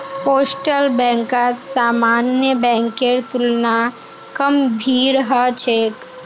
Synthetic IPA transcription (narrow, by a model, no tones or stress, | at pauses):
poːsʈəlbɛ̃ːŋkat̪saːmaːnjəbɛ̃ːŋkeɾt̪ʊlna | kəmbʱiːɾɦət͡ʃʰeːk